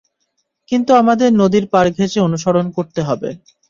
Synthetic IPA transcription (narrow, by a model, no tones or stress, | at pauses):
kint̪uamad̪eɾnod̪iɾpaɾɡʱeʃeonuʃoɾonkoɾt̪eɦɔbḛ